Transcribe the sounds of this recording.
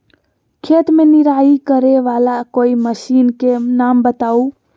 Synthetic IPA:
kʰet̪meniɾaikəɾeʋalakoiməʃinkenambət̪au

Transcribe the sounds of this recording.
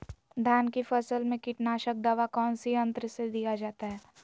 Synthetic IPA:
d̪ʱjaːnkifɐsəlmẽkɪʈnaːʃək̚d̪ɐʋakɔːnsiɐ̃nt̪ɾəsed̪ijad͡ʒaːt̪aɦɛː

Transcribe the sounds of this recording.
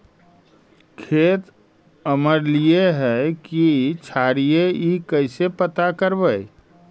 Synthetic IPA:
kʰeːt̪ | əməɾlieɦɛkit͡ʃʰaːɾijeikəɪsepət̪akəɾbəj

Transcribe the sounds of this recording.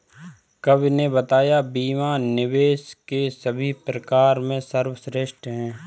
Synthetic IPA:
kɐbnebət̪aːjabiːmanɪʋeːʃkesəbʱipɾəkaːɾmẽsəɾwəsɾeːʃʈɦɛ̃ː

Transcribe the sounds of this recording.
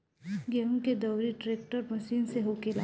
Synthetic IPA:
ɡɛɦũked̪ɐwɾiʈɾeːk̚ʈəɾmɐʃiːnseɦoːkela

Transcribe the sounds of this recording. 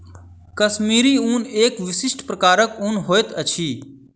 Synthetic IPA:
kəsmiːɾiːuːneːkʋɪsɪsʈpɾəkaːɾəkũːnɦoːet̪ət͡ʃʰiː

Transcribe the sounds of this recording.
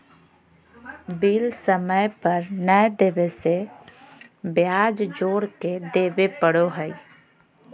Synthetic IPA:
biːlsəməjpəɾnəd̪eːʋese | bjaːd͡ʒd͡ʒoːɾked̪eːʋepəɽoɦɛi

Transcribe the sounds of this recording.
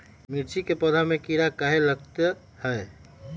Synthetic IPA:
miɾt͡ʃikepəd̪ʱamẽkiɾakaɦeləɡt̪ə | hɛː

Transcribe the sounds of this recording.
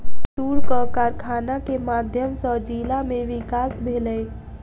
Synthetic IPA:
t̪uɾkəkaɾkʰanakemad̪ʱjəmsə̃d͡ʒilameʋikasbʱeləj

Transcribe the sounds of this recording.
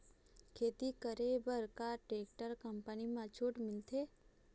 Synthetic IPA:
kʰeːt̪ikəɾebəɾkaʈɾeːk̚ʈəɾkəmpənimãt͡ʃʰuːʈmɪlt̪ʰe

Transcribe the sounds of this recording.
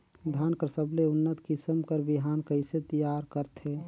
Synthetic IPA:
d̪ʱankəɾsəbleʊnːət̪kɪsəmkəɾbiɦaːnkəɪset̪əjaːɾkəɾt̪ʰe

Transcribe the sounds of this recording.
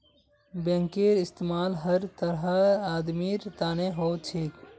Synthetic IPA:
bə̃ŋkiɾɪst̪eːmaːlɦəɾt̪əɾɦəaːd̪miɾt̪aːneɦoːt͡ʃʰik

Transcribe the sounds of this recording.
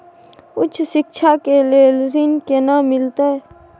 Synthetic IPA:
ʊt͡ʃʰʃɪkʃʰakelelzɪnkenamɪlt̪e

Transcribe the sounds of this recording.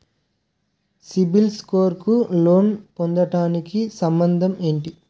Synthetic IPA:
sibilskoːɾkulo̞ːnpond̪ɐʈaːnikisɐmbɐnd̪ʱɐme̞ːɳʈi

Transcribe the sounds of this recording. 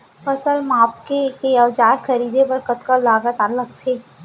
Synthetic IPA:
pɐsəlmaːp̚kekeəʋd͡ʒaːɾxəɾiːd̪ʱebɐɾkət̪kalaːɡət̪aːləɡ̚t̪ʰeː

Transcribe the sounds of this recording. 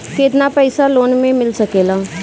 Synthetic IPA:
keːt̪napɛɪsaloːnmẽmɪlsɐkeːlaː

